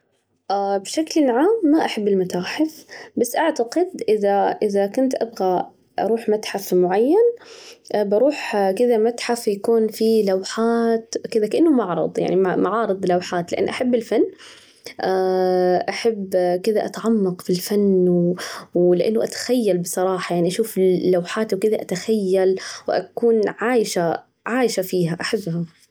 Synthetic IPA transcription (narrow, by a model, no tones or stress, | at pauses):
ʔabʃaklɪlʕaːmːaʔaħabːɪlmat̪aːħɪfbasːʔaʕt̪aqɪd̪ʔɪðaʔɪðakʊnt̪ʔa̰bɣa | ʔɑ̰ɾˤuːħmat̪ħafmʊʕajːanʔbɑɾˤuːħkɪd̪amat̪ħafjakuːnfilawħaːt̪kɪd̪akaʔanːʊmɑʕɾˤɑ̰d̪ˤja̰ʕnimaʕɑːɾɨd̪ˤlawħaːt̪lɪʔa̰nːʔaħabːɪlfanː | ʔaʔaħabːkɪd̪aʔat̪aʕamːɑqfilfanːwwlɪʔa̰nːʊʔat̪ḁxajːalbɨsˤɑɾˤɑːħɑjaʕniʔaʃuːflːawħaːt̪wkɪd̪aʔat̪axajːalwʔa̰kuːnʕaːjɪʃa | ʕaːjɪʃafiːɦaʔaħɪbːha